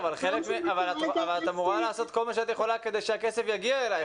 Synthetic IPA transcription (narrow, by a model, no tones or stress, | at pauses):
valχelekmeavalat̪avalat̪amuʁalaːso̞t̪̚ko̞lmaʃeat̪je̞χo̞lake̞d̪e̞jʃeake̞sefjaɡiaelaj